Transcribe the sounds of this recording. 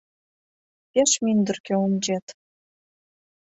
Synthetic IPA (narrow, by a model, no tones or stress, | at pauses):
peʃmynd̪ə̆rkøumd͡ʑet̪